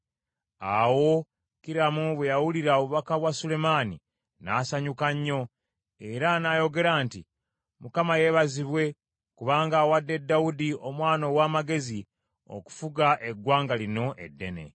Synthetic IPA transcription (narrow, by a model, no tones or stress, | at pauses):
a̰wo̞ | kiɾamuβwejawuliɾaoβuβakaβwasule̞mani | naːsaɲukaɲːo̞ | e̞ɾanajo̞ɡe̞ɾaːnti | mukamaje̞ːβaziβwe̞ | kuβaːŋɡaːwadːe̞dːaudio̞mwaːno̞waːmaɡe̞zi | o̞̰ku̥fuɡaʔe̞ɡwaːŋɡalino̞ʔe̞dːe̞̰ne̞̰